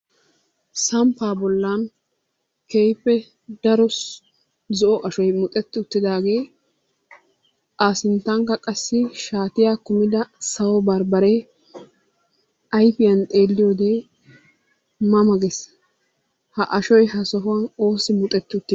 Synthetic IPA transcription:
sɐmpaːbɔlːan | kejpːɛ | d̪ɐɾɔs | zɔʔɔʔɐʃɔjmʊt̪ʼɛt̪ːɪʊt̪ːɪd̪aːɡe̞ː | aːsɪnt̪ːɐŋkːɐkʼɐsːɪʃaːt̪ɪjaːkʊmɪd̪ɐsɐwɔbɐɾbɐɾe | ɐjfɪjɐnt̪ʼe̞ːlːɪjoːd̪e | mɐmɐɡɛs | hɐʔɐʃɔjɦɐsɔɦʊwɐno̞ːsɪmʊt̪ʼɛt̪ːɪʊt̪ːɪ

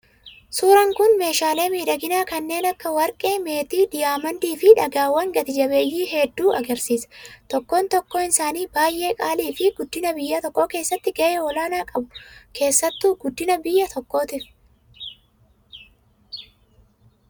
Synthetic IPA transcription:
suːɾɐŋkʊnme̞ːʃaːle̞ːmiːᶑɐɡɪnaːkɐnːe̞ːnɐkːɐwɐɾkʼeːme̞ːt̪iːd̪ɪjaːmɐnd̪iːfɪᶑɐɡaːwːɐŋɡɐt̪ɪd͡ʒɐbe̞ːjiːɦɛd̪ːuːʔɐɡɐɾsiːsɐ̥t̪ɔkːo̞ːnt̪ɔkːoːɪnsaːniːbaːjʔe̞ːkʼaːliːfɪɡʊd̪ːɪnɐbɪjːɐt̪ɔkːo̞ːke̞ːsːɐt̪ːɪɡɐʔeːɔlaːnaːkʼɐbʊkʰe̞ːsːɐt̪ːuːɡʊd̪ːɪnɐbɪjːɐt̪ʰɔkːo̞ːt̪ɪɾ

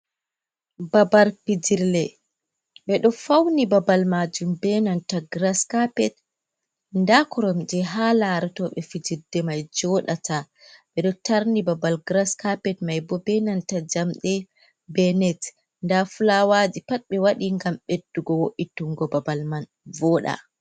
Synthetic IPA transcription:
babaɾpid͡ʒiɾlɛ | ɓɛɗɔfawnibabalmad͡ʒumbɛnantaɡɾaskapɛt̚ | ndakɔɾɔmd͡ʒɛɦalaɾɛtɔɓɛfid͡ʒidɛmajd͡ʒɔɗatʰa | ɓɛɗɔtaɾnibabalɡɾaskapɛtmajbɔbɛnantad͡ʒamɗɛ | bɛnɛt | ndafulawad͡ʒipat̚ɓɛwaɗiŋɡamɓedːuɡɔwoʔitːuŋɡɔbabalman | vɔɗa̰

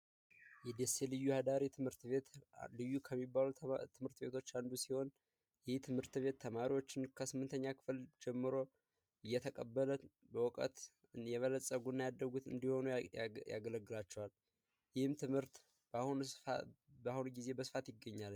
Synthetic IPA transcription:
jɛd̪ese̞lɨjːuhad̪aɾit̪ʰɨmhɨɾt̪βe̞t̪lɨjːukʰəmːibːalut̪ʰɨmhɨɾt̪be̞t̪ʰot͡ʃːand̪usiho̞n | jɪht̪ʰɨmhɨɾt̪βe̞t̪ʰːəmaɾiwo̞t͡ʃːɪnkʰəsɨmːɨnt̪ʰəɲːakʰɨ̥fɨld͡ʒɛmːɨɾo̞ | ɨjːɛt̪ʰəkʼəbːələ | bəwɔkʼə̰t̪ | jɛβələsʼəɡunːajad̪ːəɡut̪ɨ̰nd̪iho̞nuja̰ɡələɡːɨlat͡ʃːɛwal | jɪhɨmt̪ʰɨmhɨɾt̪ | bhun | bahunɡize̞bəsɨfat̪jɪɡːəɲːalɲ

